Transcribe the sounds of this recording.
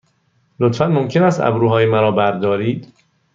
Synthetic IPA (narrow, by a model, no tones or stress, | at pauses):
lot̪fænmomcʰe̞næst̪æ̰bɾuːɦɒːjemæɾɒːbæɾd̪ɒːɾiːd̪̥